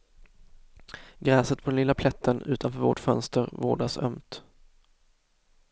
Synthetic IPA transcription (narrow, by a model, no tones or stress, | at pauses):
ɡɾɛːsət̪̚pʰɔd̪ɛnɪlːapʰlɛt̪ʰːənʉ̟ːt̪ʰanfœːɾvo̰ːʈfœnst̪əɾvoːɖasœ̰mt̪